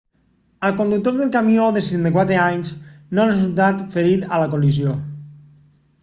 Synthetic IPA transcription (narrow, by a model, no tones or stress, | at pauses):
əlˠkond̪uk̚t̪oɾðelˠkamioðeset̪ent̪akwat̪ɾeaɲznoarezulˠt̪̬at̪feɾit̪alaɐkolizjo